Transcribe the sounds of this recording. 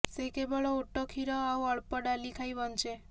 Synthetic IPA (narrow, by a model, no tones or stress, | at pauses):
sekebəɭɔoʈːɔkʰiɾɔawəɭpəɖalikʰajʋɔnt͡ʃe